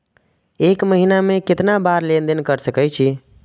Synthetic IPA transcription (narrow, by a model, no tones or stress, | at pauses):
ekməɦinamekɪt̪nabaɾlend̪enkəɾsəkəjt͡ʃʰi